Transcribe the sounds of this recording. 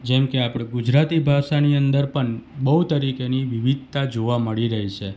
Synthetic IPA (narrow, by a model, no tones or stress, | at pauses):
d͡ʒɛmkeapɽ̃eɡud͡ʒɾat̪ibʱaʃaniənd̪əɾpəɳbəɦut̪əɾikeniʋiʋid̪̚ʱt̪ad͡ʒoʋaməɭiɾəɦit͡ʃʰe